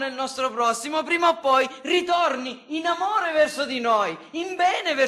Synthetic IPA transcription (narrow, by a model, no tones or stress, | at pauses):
nelnɔst̪ɾopɾɔsːimopɾiːmaopːɔjrit̪orniːnamoːɾevɛrsod̪inojimbɛːnevɛ